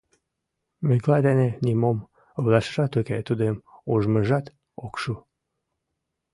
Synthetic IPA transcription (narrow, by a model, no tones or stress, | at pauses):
meklɑd̪enenimom | βlɑʃə̥ʃɑt̪uket̪ud̪emuʒməʒɑt̪ | okʃu